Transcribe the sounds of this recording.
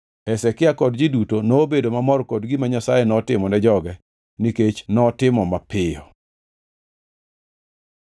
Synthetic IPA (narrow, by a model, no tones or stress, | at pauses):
ɛsɛkɪakɔdd͡ʒidutonoːbedomamɔɾkɔdɡimaɲasajɛnɔtɪmɔnɛd͡ʒɔɡɛ | niket͡ʃnɔtɪmɔmapɪjɔ